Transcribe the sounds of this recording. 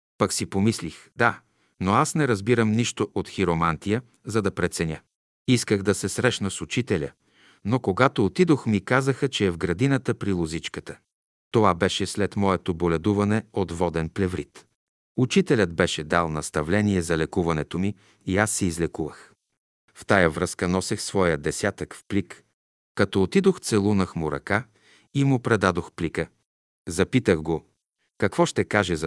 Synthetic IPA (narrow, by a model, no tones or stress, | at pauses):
pɐksipomislixd̪a | noasnɛɾɐzbiɾəmniʃt̪oʔot̪xiɾomant̪ijə | zɐd̪ɐpɾɛt̪sɛnʲjə | iskəɣd̪ɐsɛsɾɛʃnəsut͡ʃit̪ɛlʲə̰ | nokoɡat̪oːt̪id̪oxmikazəxət͡ʃɛːvɡɾɐd̪inət̪əpɾilˠozit͡ʃkət̪ə̥ | t̪ovabɛʃɛslɛt̪mɔɛt̪obolɛd̪uvɐnɛot̪vɔd̪ɛnplɛvɾḭt̪ | ut͡ʃit̪ɛlʲəd̪bɛʃɛd̪alˠnɐst̪ɐvlɛniɛzɐlɛkuvɐnɛt̪omiː | asːɛizlɛkuvə̰x | ft̪ajəvɾəskənɔsɛxsvɔjəd̪ɛsʲjat̪əkfplikː | ɐt̪ɔot̪id̪oxt̪sɛlˠunɐxmʊɾɐ̰ka | imʊpɾɛd̪ad̪oxplikə | zɐpit̪əɣɡo | kɐkvɔʃt̪ɛkaʒɛzɐ